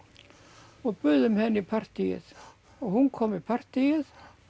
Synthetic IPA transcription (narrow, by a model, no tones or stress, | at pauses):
ɔɣpʏðʏmhɛnːipʰar̥t̪ijɪ̰ð̥ | ɔɣhunkʰɔmipʰar̥t̪ijɪð